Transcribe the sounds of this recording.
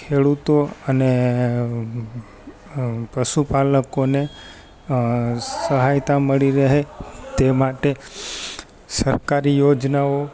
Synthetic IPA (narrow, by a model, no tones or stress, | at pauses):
kʰeɽut̪oəne | pəʃupaləkone | səɦajt̪aməɭiɾəɦet̪emaʈe | səɾkaɾijod͡ʒnao